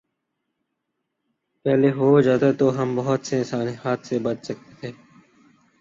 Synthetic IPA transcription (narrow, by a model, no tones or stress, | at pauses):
pɛːleɦoːzaːd̪at̪oːɦɐmbɐɦʊt̪seɪ̃nsaːniɦaːt̪ʰsebət͡ʃsək̚t̪et̪ʰeː